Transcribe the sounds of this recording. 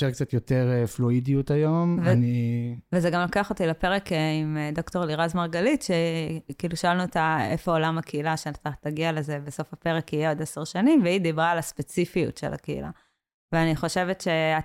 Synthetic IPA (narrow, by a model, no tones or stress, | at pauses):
ʃeʁk̚t͡sat̪joteʁfluidiut̪ajo̞mvanivezeɡamlo̞keaχo̞t̪ilapeʁekeimd̪o̞kto̞ʁliʁazmaʁɡalitʃekiiːluʃoalnuet̪aefoolamakeilaʃetat̪ːaɡiale̞zebeso̞fape̞ʁekijeod̪eseʁʃanimveid̪ibʁaːlaspet͡sifijṵtʃḛla̰keḭla̰ | veaniχo̞ʃe̞vetʃe̞a